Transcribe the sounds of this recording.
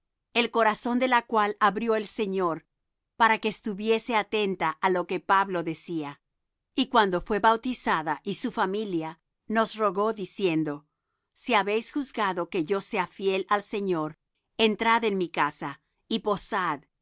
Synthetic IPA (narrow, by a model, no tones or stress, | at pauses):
e̞lko̞ɾaso̞nd̪e̞lakwalaβɾjo̞else̞ɲo̞ɾ | paɾake̞ːst̪uβje̞se̞at̪e̞nt̪aʔalo̞ke̞paβlo̞ðe̞sia | ikwand̪o̞fwe̞βawt̪isaðaʔisufamilja | no̞sro̞ɣo̞ðisje̞nd̪o̞ | siaβe̞jsxuzɡaðo̞ke̞ʝo̞se̞afje̞lalse̞ɲo̞ɾ | e̞nt̪ɾaðe̞nmikasa | ipo̞sað